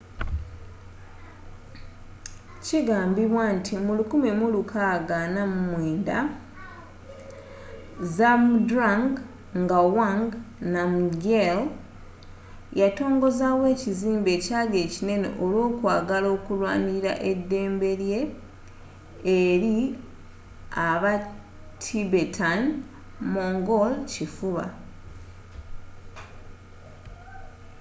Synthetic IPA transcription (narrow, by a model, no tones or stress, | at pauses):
ciɡaːmbiβwantʰimulukumemulukʰaɡaːnamumweːnda | zamdɾaŋɡ | ŋɡawaŋɡnamɡel | jato̞ːŋɡo̞zawe̞ːciziːmbe̞ːcaːɡe̞ːcine̞ne̞̰ʔolwo̞ːkwaːɡalo̞ːkulwa̰ːniɾa̰ʔe̞dːe̞ːmbe̞lje̞ | ɾi | aβa | tʰibetʰan | moːŋɡolcifuβa̰